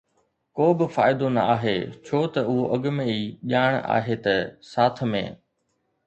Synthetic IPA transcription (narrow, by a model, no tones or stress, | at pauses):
koːbɪfaːɪd̪onɐ̰aːɦet͡ɕʰoːt̪ɐʊɦoʔɐɠmẽiːʄaːɽ̃a̰ːɦet̪ɐsaːt̪̆ʰmḛ̃ː